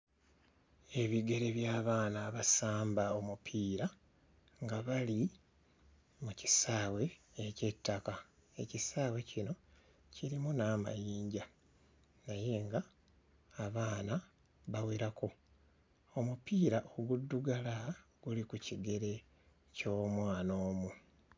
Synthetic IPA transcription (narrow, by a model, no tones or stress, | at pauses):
e̞βiɡe̞ɾe̞βjaːβaːnaβasaːmbao̞mupʰiːɾa | ŋɡaβali | muci̥saːwe̞ːce̞tːaka | e̞cisaːwe̞cino̞ | ciɾimunaːma̰jiːɲɟa | naje̞ːŋɡaː | βaːna | βaweɾako̞ | o̞mupiːɾaʔoɡudːuɡalaɡ̥ulikuciɡe̞ɾe̞ | co̞ːmwaːno̞ːmu